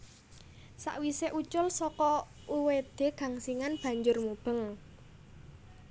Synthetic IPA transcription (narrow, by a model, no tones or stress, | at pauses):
sa̰ʔwiseʔut͡ʃʊlsɔkɔ | uwed̪̥e̤ɡ̥ä̤ŋsiŋanb̥a̤ɲd͡ʒʊrmub̥ə̤ŋ